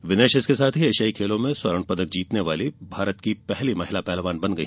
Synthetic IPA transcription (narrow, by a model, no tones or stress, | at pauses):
ʋɪneːʃɪskesaːt̪ʰɦieːʃaːikʰeːlõmẽswɐɾəɳ̃pɐd̪ək̚d͡ʒiːt̪neʋaːlibʱaːɾət̪kipɛɦlimɐɦɪlapɛːlʋaːnbɐ̃nɡɐi